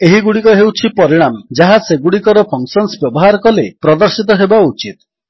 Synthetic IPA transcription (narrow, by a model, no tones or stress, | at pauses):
eɦiɡuɽikɔɦewt͡ʃʰipɔɾiɽ̃amd͡ʒaɦaseɡuɽikɔɾɔpʰɔŋsɔnsbjɔbɔɦaɾɔkɔlepɾɔd̪ɔɾsit̪̬ɔɦebaut͡ʃit̪̚